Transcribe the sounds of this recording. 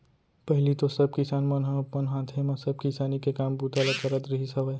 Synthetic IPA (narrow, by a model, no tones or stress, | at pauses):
pəɦɪlit̪osəb̚ʱkisanmənɦəənɦãt̪ʰemasəb̚ʱkisanikekambut̪alakəɾət̪ɾəɦisəbəj